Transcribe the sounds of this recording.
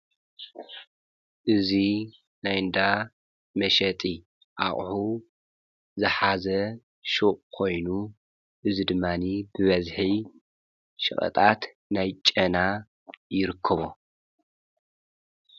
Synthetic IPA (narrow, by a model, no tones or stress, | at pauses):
ʔɨzi | najɨnd̪a | mɐʃɐt̪ʼi | ʔa̰χʼħu | zɨħazɐ | ʃuʔʼkʰo̞jnu | ʔɨzid̪ɨmːanibɨβɐzħi | ʃɨ̰χʼɐ̰t̪ʼat̪ | najt͡ʃʼɐna | jɪɾɨkʰːɐβo